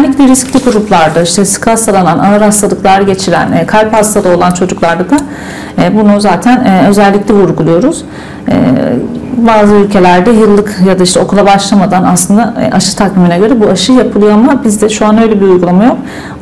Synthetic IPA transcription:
nʲːiclʲɛɾisclʲiɡuɾuplˠaɾd̪aiʃt̪ʰɛsɯ̥kʰasalˠananaaɾhast̪ʰalˠɯklˠaɾaɟe̞t͡ʃʰiɾæ̰nːkʰalʲphast̪ʰalˠao̞lˠant͡ʃʰo̞d͡ʒuklˠaɾd̪ad̪a | ɛːbunuzaːt̪ʰænɛø̞zælʲːicʲlʲɛvuɾɡulˠujo̞ɾuz̥ | ɛ̰ː | baːzɯylʲcʰe̞lʲæɾd̪ɛjɯlˠːɯkjad̪aiʃt̪ɛo̞kʰulˠabaʃlˠamad̪anaslˠɯnd̪a̰ʔaʃɯ̥t̪ʰakiminɛɟø̞ɾɛbuaʃɯjapʰɯlˠɯjoamabizd̪ɛʃuanø̞jlʲebiɾujɡulˠamajo̞k

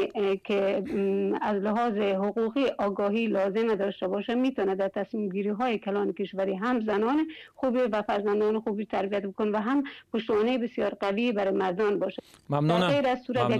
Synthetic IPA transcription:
kʰe | azlɪɦɒːzɪɦʊquqiʔɒːɡɔːɦiːlɒzɪmad̪ɔʃt̪abɔʃamiːt̪ɔːnad̪aɾt̪ʰasmimɡiːɾiɦɔːjekʰalɒːnɪkɪʃʋaɾiɦamzanɒːnɪxuːbivafaɾzand̪ɔːnɪxubit̪ʰaɾbijat̪̚bɪkonvaɦampʊʃt̪mɔːnejebɪsjɒːɾqavibaɾɪmaɾd̪ɔnbɒːʃaameɾazsuɾat̪

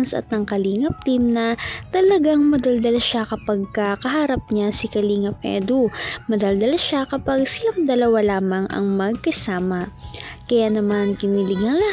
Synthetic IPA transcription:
nsɐ̰t̪̚nɐŋkɐliːŋɐp̚t̪imnɐt̪ɐlɐɡaŋmɐd̪ɐld̪ɐlɐʃakɐpɐɡ̚kɐkɐɦaɾap̚ɲasikɐliːŋɐp̚ʔɛ̰d̪umɐd̪ɐld̪ɐlɐʃakɐpaɡ̚sɪlaŋd̪ɐlɐwalaːmɐŋɐ̰ŋmɐɡ̚kɐsaːmɐkɐjanɐmankɪniːlɪɡɐŋlɐ

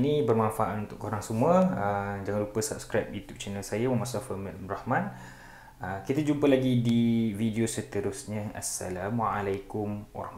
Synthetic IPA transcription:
nibərmãnfaʔat̪unt̪ʊkoɾaŋsəmuəəd͡ʒaŋanlɾupəsap̚skɾajp̚jut̪jup̚t͡ʃɛnəlsajaməmasafəmɛlrahmãn | əkit̪ad͡ʒumpəlaɡidividiosət̪əɾʊsɲə̃asːa̰lamwaalajkʊmwa̰ɾɑh

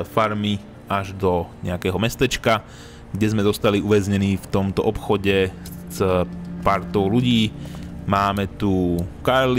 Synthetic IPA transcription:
faɾmi | aʒd̪ɔɲɛ̰akɛːɦɔmɛst̪ɛt͡ʃka | ɡɟɛzmɛzɔst̪aliʔuʋɛzɲɛniːft̪ɔmt̪ɔʔɔpxɔɟɛzpaɾt̪ɔʊluɟiːmaːmɛt̪ukaɾl

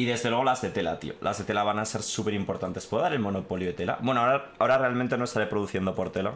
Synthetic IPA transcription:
iðe̞zðe̞lwe̞ɣolazðe̞t̪e̞la̰t̪ḭolʔa̰zðe̞t̪e̞laβanase̞ɾsupe̞ɾimpo̞ɾt̪ant̪e̞spweðaɾe̞lmo̞no̞po̞ljoet̪e̞la̰bwenoaoɾaao̞ɾarealmẽnt̪enoest̪aɾepɾoðuθje̞nd̪o̞po̞ɾt̪e̞la

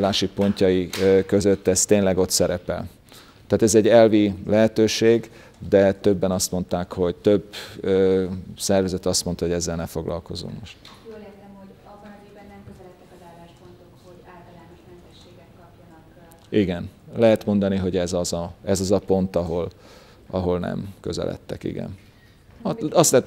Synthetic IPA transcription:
laːʃipo̞ɲcɒjikø̞zø̞t̪ːɛst̪eːnlɛɡo̞t̪sɛɾɛpɛ̰l | t̪aːt̪ɛzɛɟːɛlvilɛɦɛt̪øːʃeːɡ | d̪ɛt̪øbːɛnɒst̪mo̞nt̪aːkho̞ɟt̪ø̞bøːsɛrvɛzɛt̪ɒst̪mo̞nt̪ɒɦo̞ɟɛzːɛlnɛfo̞ɡlɒ̰lko̞zṵmmo̞ʃt̪lɛt̪ɛmhoɟ̪ibɛnːɛmkøzɛlɛt̪ːɛkzaːlaʃpont̪o | oaːlt̪lanoɛnɛʃeːɡɛ | iɡɛnlɛɦɛt̪mo̞nd̪ɒniɦo̞ɟɛzɒzɒɛzɒzɒpo̞nt̪ɒɦo̞l | ʔɒɦolnɛ̰mkø̰zɛ̰lʔɛ̰t̪ːɛ̰kḭɡɛ̰n | ɒst̪lɛɦɛt̪

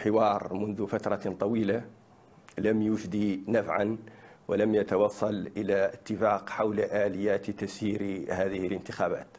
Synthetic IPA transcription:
ħɪwɑːɾˤmʊnðʊfat̪ɾˤɑt̪ˤɑwiːla | lamjʊʒd̪inafʕan | walamjat̪ɑwɑsˤːɑlʔəlaət̪ːɪfɑːqħawlaʔaːlɪjːaːt̪t̪asiːɾhaːðɪhɪlənt̪ɪxaːba̰ːt̪

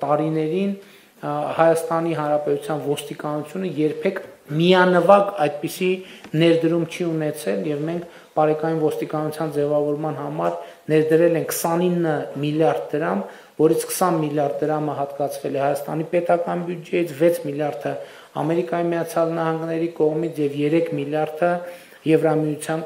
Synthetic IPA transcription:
t̪ɑɾinɛɾin | hɑjɑst̪ɑniɦɑnɾɑpɛt̪ut͡sʰjɑnvɔst̪ikɑnut͡sʰjunəjɛɾpʰɛkʰmiɑnəvɑkɑjd̪̚pisinɛɾd̪əɾumt͡ʃʰiunɛt͡sʰɛljɛvmɛŋkʰ | pɑɾɛkɑjunvɔst̪ikɑnut͡sʰjɑnd͡zɛvɑvɔɾmɑnhɑmɑɾnɛɾd̪əɾɛlɛŋkʰːsɑninːəmiljɑɾd̪̚d̪əɾɑm | vɔɾit͡sʰkʰə̥sɑnmiljɑɾd̪̚ːəɾɑməɦɑt̪kɑt͡sʰvɛlɛhɑjɑst̪ɑ̰nipɛt̪ɑkɑnbjud͡ʒɛjit͡sʰvɛt͡sʰmiljɑɾd̪ʰə | ɑ̰mɛɾikɑjimijɑt͡sʰjɑlnɑhɑŋɡnɛɾikɔʁmit͡sʰjɛvjɛɾɛkʰmiljɑɾd̪ʰə | jɛvɾɑmijut͡sʰjɑn

